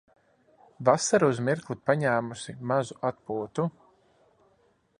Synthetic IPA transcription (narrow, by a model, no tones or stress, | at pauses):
vasaɾuuzmiɾklˠupaɲæːmusimazuʔat̪̚puɔt̪u